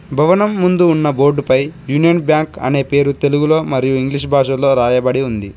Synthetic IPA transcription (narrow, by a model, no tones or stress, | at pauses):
bʱɐʋɐnɐmːund̪uːnːɐbo̞ːɾɖupɐjjuːnijɐnbjaːŋkɐ̰ne̞ːpe̞ːɾut̪e̞luɡulo̞ːmɐɾijuiŋɡliʂ̬bʱaːʂɐlo̞ːɾaːjɐbɐɽiund̪i